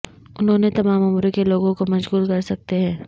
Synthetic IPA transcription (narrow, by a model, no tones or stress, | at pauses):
ʊnɦõːnet̪ɐmaːmʊmɾokeloːɡõkomɐʃɣuːlkɐɾsɐk̚t̪eɦɛ̃ː